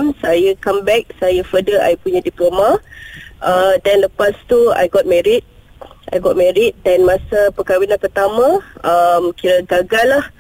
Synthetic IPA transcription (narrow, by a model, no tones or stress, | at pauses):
msajəkambɛk̚sajəfədəa̰jpuɲãdiplomaʔədanləpast̪ua̰jɡɔt̚mɛɾit̪̚ | ʔa̰jɡɔt̚mɛɾit̪̚danmãsapəkawinãnpərt̪amãəmkiɾəɡaɡalah